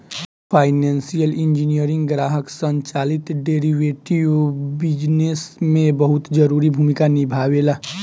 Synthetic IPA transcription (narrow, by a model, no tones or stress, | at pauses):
pʰaːɪnẽːnsijəlĩnd͡ʒinijəɾɪ̃ŋɡɡɾaːɦəksə̃ɲt͡ʃaːlɪt̪ɖeːɾiʋeʈiʋbɪd͡ʒnesmẽbəɦʊt̪d͡ʒəɾuːɾibʱuːmikanibʱaːʋela